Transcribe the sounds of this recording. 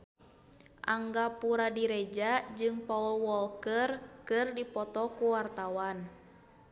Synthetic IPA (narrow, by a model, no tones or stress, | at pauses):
ʔaŋɡapuɾadiɾɛd͡ʒad͡ʒɨŋpaulwɔlkərkɨrdipɔt̪ɔkuwart̪awan